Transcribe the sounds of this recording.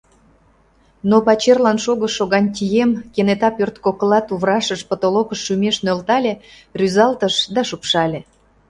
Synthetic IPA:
nopɑt͡ɕerlɑnʃoɣəʃoɣɑnʲt̪ʲijemkenet̪ɑpørt̪kokəlɑt̪uβɾɑʃəʃpot̪olokəʃːymeʃnølt̪ɑlʲe | ryzɑlt̪əʃd̪ɑʃupʃɑlʲe

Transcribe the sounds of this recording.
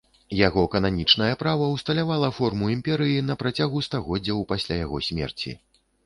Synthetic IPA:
jaɣɔkɐnanʲit͡ʂnɐjɐpɾavɐwst̪ɐlʲavalˠɐfɔrmuimpʲɛɾɨjin̪ɐpɾat͡sʲaɣust̪aɣɔdd͡zʲːɐwpasʲlʲajaɣɔsʲmʲɛ̰rt͡sʲḭ

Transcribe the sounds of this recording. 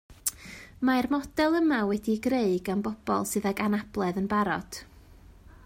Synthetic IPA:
maɛrmɔd̥ɛlˠəmawɛdiɡreɨɡanbɔb̥ɔ̰lˠsɨðaɡanab̥lˠɛðənbaɾɔ̰d̥

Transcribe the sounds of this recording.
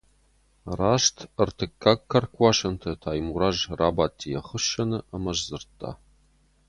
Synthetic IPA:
raːʃtʰɨrtʰɨkʰːakʰːɐrkʷʼɑʃɐntʰɐtʰaːjmuɾaʒraːbaːtʰːijɐχəʃɐnɨʔɐmɐʒzɨrtʰːa̰ː

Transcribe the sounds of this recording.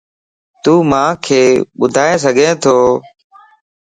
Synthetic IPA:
t̪uːmãːkʰeːɓʊd̪ʱaːẽːs̬əɡʱẽːt̪ʰoː

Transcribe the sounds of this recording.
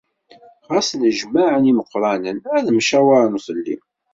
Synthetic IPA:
ʁɑsˤləʒmaʕəniməqːɾˤɑnənæðəmʃæwaɾnuθˤəlːḭm

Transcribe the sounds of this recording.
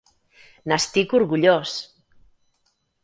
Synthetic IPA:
nast̪ikuɾɣuʎos

